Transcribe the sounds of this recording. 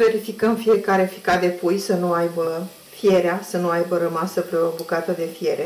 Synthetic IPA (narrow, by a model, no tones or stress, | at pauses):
ve̞ɾifikəmfie̞kaɾe̞fi̥kad̪e̞pujsənuajbə | fie̞ɾeasənuajbəɾəmasəpɾeo̞bukat̪əd̪e̞fije̞ɾe̞